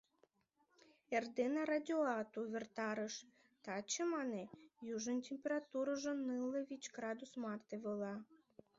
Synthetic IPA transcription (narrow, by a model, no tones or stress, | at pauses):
erd̪enɑɾadʲoɑt̪uvʲert̪ɑɾəʃ | t̪ɑt͡ɕəmɑnejuʒənʲtʲemʲpʲeɾat̪uɾəʒə̆nɨlevʲit͡ɕɡɾɑd̪usmɑrt̪eβəlɑ